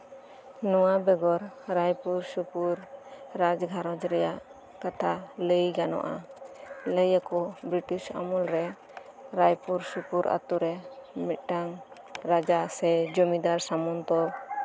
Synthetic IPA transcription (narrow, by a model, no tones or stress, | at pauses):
nɔwabɛɡɔɾɾajpuɾsupuɾɾad͡ʒɡʱaɾɔd͡ʒɾɛjaʔ | kat̪ʰaləjɡanɔ̰ʔa̰ | ləjakɔbɾiʈisa̰mɔlɾɛ | ɾajpuɾsupuɾa̰t̪uɾɛmit̪̚ˀʈaŋ | ɾad͡ʒasɛd͡ʒɔmid̪aɾsamɔnt̪ɔ